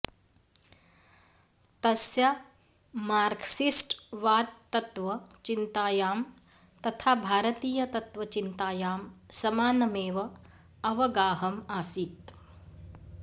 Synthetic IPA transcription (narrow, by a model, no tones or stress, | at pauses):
t̪ɐsjɐ | maːɾksisʈʋaːt̪ːɐt̪ʋɐ | t͡ʃint̪aːjaːm | t̪ɐt̪ʰaːbʱaːɾɐt̪iːjɐt̪ɐt̪ʋɐt͡ʃint̪aːjaːmsɐmaːnɐmeːʋɐ | ɐʋɐɡaːɦɐmaːsit̪